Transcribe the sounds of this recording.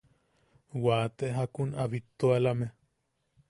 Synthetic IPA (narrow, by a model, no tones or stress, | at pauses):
waːt̪eʔɦakunaβit̪ːoalame